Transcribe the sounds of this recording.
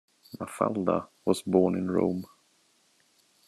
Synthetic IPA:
mafa̰ld̪a̰wɑsbɔːnɪ̃nɹõ̰ʊ̃m

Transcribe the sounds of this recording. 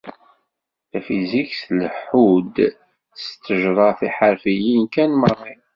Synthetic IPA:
θæfizikslħud̪ | st̪ːəʒɾˤɑθiħəɾfijinkænmərˤːi

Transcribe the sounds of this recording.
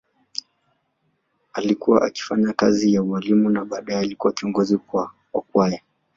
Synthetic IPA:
alikuwaʔaki̥faɲakazijaualimunaɓaːɗajɛalikuwakiɔŋɡɔzikwa | ɔkwaja

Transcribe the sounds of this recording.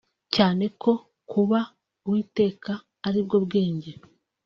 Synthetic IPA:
caːne̞kʰo̞ | kʰuβa | wiːte̞ːkaː | ɾib̚ɡo̞bɡe̞ːɲɟe̞

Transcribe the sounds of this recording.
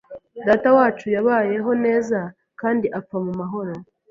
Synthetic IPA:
daːtawaːt͡ʃujaβaːje̞ɦo̞ne̞ːza | kaːndiʔap͡famumaɦo̞ɾo̞

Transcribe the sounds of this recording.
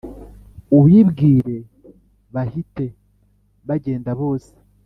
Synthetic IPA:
uβjibɡiːɾe̞ | βahite̞ | βaɟe̞ːndaβo̞ːse̥

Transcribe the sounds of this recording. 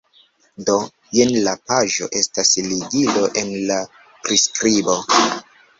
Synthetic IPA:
do | jenlapaʒo̞̰ʔe̞stasliɡilo̞ʔe̞nla | pɾiskɾibo̞

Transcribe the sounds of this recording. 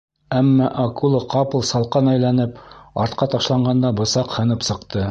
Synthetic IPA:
æmːɑʔɑkulˠɤqɑpɤ̆lˠsɑlˠqɑnæjlænɘpɑɾt̪qɑt̪ɑʃlˠɑɴɢɑnd̪ɑbɤ̆sɑqhɤ̆nɤpsɤ̆qt̪ɤ

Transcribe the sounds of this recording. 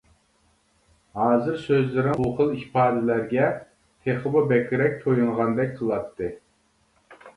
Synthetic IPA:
hɑːzɨɾsøzlɪɾɪoqəlˠipʰɑːd̪ɪlæɾɡʲɛ | t̪ʰeχəbɨbɛkʲʰiɾɛk̚ʲt̪ʰojuŋʁɑnd̪ɛk̚ʲqʰəlˠɑt̪ʰːɨ

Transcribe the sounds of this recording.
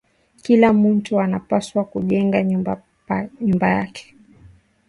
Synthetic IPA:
kilam̩ntuanapaswakuʄɛŋɡaɲba | ɲumbajakʰɛ̥

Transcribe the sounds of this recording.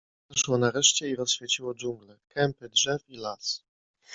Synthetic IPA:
aʂwɔnaɾɛʂt͡ɕɛiɾɔsɕfʲjet͡ɕiwɔd͡ʑuŋɡlɛkʰɛmpɘdʐɛfilas

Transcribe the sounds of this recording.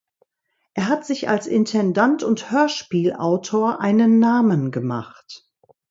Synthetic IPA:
ʔeːɐɦatz̥ɪça̰lsʔɪ̰ntʰɛndantʰʊnthøːɐʃpiːlʔaʊtʰoːɐʔaɪnənːaːmənɡəma̰χt

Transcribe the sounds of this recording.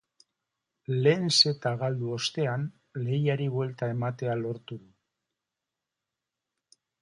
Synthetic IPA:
le̞nse̞t̪aɣald̪uo̞st̪e̞an | le̞jaɾiβwe̞lt̪ae̞mat̪e̞alo̞ɾt̪uðu

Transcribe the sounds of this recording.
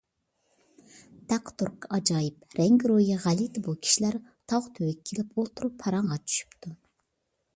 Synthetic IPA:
d̪̥æqt̪uɾkɑd͡ʒɑjipɾɛŋɡɾojɑʁælit̪ɪbulˠkʲʰi̥ʃilæɾt̪ʰɑʁt̪ʰøwɛkʲʰːelɪpolˠt̪ʰuɾupʰːɑɾɑɴʁɑt̪ʰy̥ʃy̥pt̪ʰu

